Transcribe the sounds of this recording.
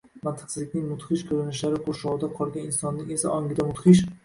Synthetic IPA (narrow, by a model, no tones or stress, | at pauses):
mant̪ʰɨ̥qsʰɪzlɪkʲnɪŋmʊt̪χɪʃkʲʰɵɾɪnɪʃlaɾɪkʰoɾʃɒwɪd̪aqʰɒlˠɡʲanɪnsɒnːɪŋʲe̞sa̰ʔɒŋʲɪd̪amʊt̪χɪʃ̬